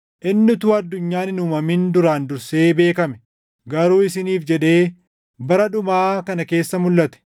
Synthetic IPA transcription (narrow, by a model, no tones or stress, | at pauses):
ʔɪnːɪt̪uːɐd̪ːʊɲːaːnɪnuːmɐmind̪ʊɾaːnd̪ʊɾse̞ːbe̞ːkɐmɛ̥ | ɡɐɾuːɪsɪniːfd͡ʒɛᶑe̞ː | bɐɾɐᶑʊmaːkɐnɐke̞ːsːɐmʊlːɐt̪ɛ̥